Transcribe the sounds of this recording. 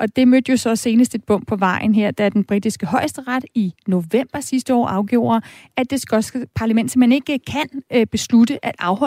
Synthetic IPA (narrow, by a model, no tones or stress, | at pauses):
ʔɒ̽d̥e̝mød̥əjo̝sɒ̽se̝ːnəsd̥e̝d̥̚b̥ɔ̽m̰pʰɒ̽ʋɑ̈ɪ̰n̩ɦeɐ̰d̥ɑ̈æɐd̥enb̥ʁid̥isɡ̥əɦɒ̽ɪsd̥əʁɑd̥ino̝ʋem̰b̥ɐsisd̥əɒ̰ːʔɑ̈ʊɡ̥o̝̰ːɐ | æ̥esɡ̥ɒsɡ̥əpʰɑ̈læmen̰d̥sɒmene̝ɡ̥əkʰænb̥e̝slud̥əʔæd̥ɑ̈ʊhɒ̽